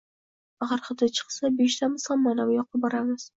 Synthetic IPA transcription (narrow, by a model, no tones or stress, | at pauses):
aʁɑɾχɨd̪at͡ʃʰɨ̥qsabeʃt̪ʰamɪsamanawjɒqʰɨbɒɾamɪz̥